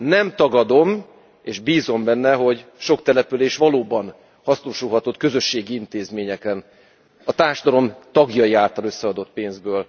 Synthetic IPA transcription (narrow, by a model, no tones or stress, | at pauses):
nɛmt̪ɒɡɒd̪o̞m | eːʒbiːzo̞mbɛnːɛɦo̞ɟʃo̞kt̪ɛlɛpyleːʃʋɒloːbɒn | hɒsnuːʃulɦɒt̪o̞t̪kø̞zø̞ʃːeːɡiint̪eːzmeːɲɛkɛn | ɒt̪aːrʃɒd̪ɒɾo̞mt̪ɒɡjɒjiaːlt̪ɒlø̞sːɛɒd̪o̞t̪̚peːnzbøːl